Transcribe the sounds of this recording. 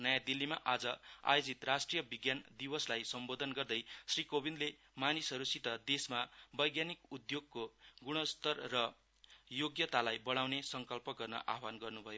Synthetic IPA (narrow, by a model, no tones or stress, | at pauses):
nʌjãd̪ilːimaʔad͡zʌa̰jod͡zit̪rasʈrijʌbiɡjand̪ibʌslajsʌmbod̪ʱʌnɡʌrd̪ʌjsrikobind̪le | manisɦʌɾusit̪ʌd̪esmabʌjɡjanikud̪joɡ̚koɡuɽ̃ʌst̪ʌrːʌ | joɡjʌt̪alajbʌɽ̃awnesʌŋkʌlpʌɡʌrnʌ̰ʔa̰ɦbanɡʌrnubʱʌjo